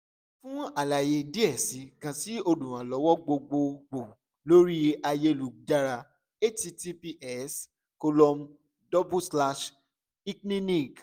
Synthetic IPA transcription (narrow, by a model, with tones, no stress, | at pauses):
fũ˦a˨la˨je˧di˦ɛ˦˨si˨˦kã˧ti˦o˧dũ˨ɾ̃ã˨lɔ˨˦wɔ˦ɡ͡bo˧ɡ͡bo˧ɡ͡bo˨ | lo˦ɾi˦a˧je˦˧lu˨d͡ʒa˦ɾa˧ | e˦ti˧ti˧pi˧ʔɛ˦˨s | ko˧lɔ˧m | dɔ˦bu˦sla˧ʃ | i˦knĩ˦ni˦˨ɡ